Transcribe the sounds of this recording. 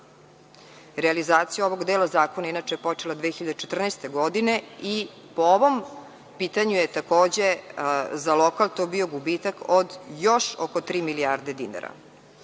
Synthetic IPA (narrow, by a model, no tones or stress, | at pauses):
ɾealizaːt̪sijaoʋo̞ɡd̪eːlˠazaːko̞nainat͡ʃejepo̞t͡ʃelad̪ʋexiʎad̪et͡ʃet̪r̩nest̪e̞ɡod̪inei | pooʋo̞m | piːt̪aɲujet̪ako̞ːd͡ʑe̞zalokalˠt̪oːbio̞ɡubiːt̪akod̪jo̞ʃokot̪ɾiːmiliaːɾd̪ed̪ina̰ɾa̰